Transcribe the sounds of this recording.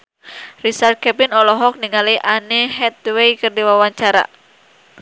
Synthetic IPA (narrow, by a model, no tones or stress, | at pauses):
risart̪̚kɛpinɔlɔɦɔk̚niŋaliʔaneɦɛt̪̚wejkɨrdiwawaɲt͡ʃaɾa̰